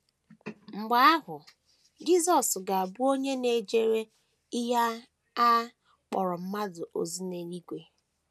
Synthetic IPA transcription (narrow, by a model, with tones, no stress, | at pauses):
ŋ͡m̩˨ɡ͡ba˦a˦ɦʊ˨ | d͡ʒi˦zɔ˨sɡa˨a˨bu˦o˦ɲe˦ne˨d͡ʒe˦ɾe˦ | ɪ˦ɦa˦ | a˦ | k͡pɔ̰˨ɾɔ˨m̩˦ma˦zʊ˨ʔo̰˨zi˦ne˨ɾi˦ɡʷe˨